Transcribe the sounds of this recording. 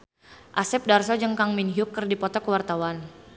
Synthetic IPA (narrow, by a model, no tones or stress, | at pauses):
ʔasɛp̚darsɔd͡ʒəŋkaŋminɦukːərdipɔt̪ɔkəwart̪awan